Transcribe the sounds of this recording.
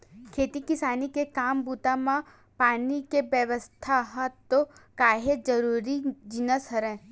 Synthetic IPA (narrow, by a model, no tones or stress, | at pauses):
kʰeːt̪ikɪsaːnikekaːmbut̪amã | paːnikebəʋəst̪ʰaɦət̪ːokaːɦed͡ʒəɾuːɾid͡ʒinəsɦəɾɛ̃ː